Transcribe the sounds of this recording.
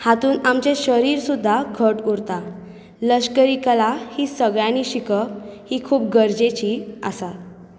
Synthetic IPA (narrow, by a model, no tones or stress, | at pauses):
hat̪uːnamt͡ɕeɕəɾiːɾsud̪ʱːaɡʰʱəʈuɾt̪a | ləɕkəɾikalahiːsəɡɭjãniːɕikəhiːkʰuːp̚ɡəɾd͡ʑet͡ɕiːə̰sat̪